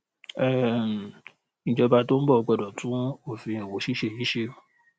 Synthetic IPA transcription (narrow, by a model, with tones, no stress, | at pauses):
ɛ˦˨m̩˨ | nĩ˨d͡ʒɔ˧ba˧to˦n̩˦bɔ˦˨ɔ˧k͡pɔ˧˨dɔ˨tũ˦o˦˨fĩ˧i˨wo˨˦ʃi˦ʃe˦˨i˨˦ʃe˧o˨